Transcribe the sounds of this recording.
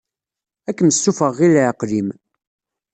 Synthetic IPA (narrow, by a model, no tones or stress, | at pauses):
ækːəməsːufəʁːilæqlim